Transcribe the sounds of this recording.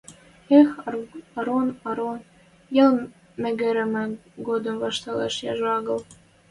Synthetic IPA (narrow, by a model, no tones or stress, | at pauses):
exɑɾonɑɾon | jel | mɘ̆ɡɘ̆ɾɘ̆mɘ̆ɡod̪ɤ̆mvɑʃt̪ɑlḛʃjɑ̰ʒɑɣɤ̆l